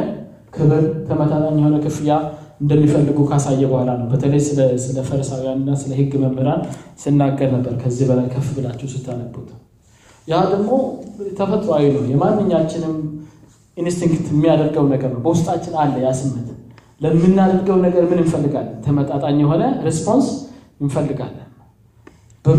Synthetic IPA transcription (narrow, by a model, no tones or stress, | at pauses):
kʰɨβɨɾt̪ʰəmət̪ʼat̪ʼaɲːɛho̞nəkʰɨfɨjaɨnd̪əmːifəlːɨɡukʰasajːɛbuhlanəwbət̪ʰələjsɨsɨləfəɾsawjanɨnːasɨləhɨɡːməmːəɾansɨnːaɡːəɾnəbːəɾkʰəzːihbəlajkʰəfbɨlat͡ʃːɛwsɨt̪ʰːaləbot̪ʰə̥ | jad̪əɡmo̞t̪ʰəfət̪ʼɾoajnəwjɛmanːɨɲːat͡ʃːɪnɨm | inst̪ʰiŋkt̪mːijad̪əɾɡəwnəɡəɾnəwbəwʊst̪ʼat͡ʃːɪnalːəjasɨmːət̪ʰɨn | ləmːɨnːad̪əɾɡəwnəɡəɾmɨnɨnfəlːɨɡalːət̪ʰəmət̪ʼat̪ʼaɲːjɛɦo̞nəɾespʰo̞ns | ɪnfəlːɨɡa̰lːən | bə